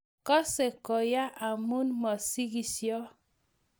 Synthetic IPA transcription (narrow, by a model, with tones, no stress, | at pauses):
kɔ˦se˨kɔ˨ja˦ʔa˨mu˦nmɔ˨si˦ɡi˨sjɔ˦